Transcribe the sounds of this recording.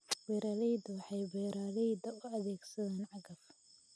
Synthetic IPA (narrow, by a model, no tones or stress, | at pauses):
wɛjɾaːlɛjd̪ɐwɑħɑjbɛɾaːlɛjd̪ɐʊɐðɛːɡsɐðaːnʕɑɣɐf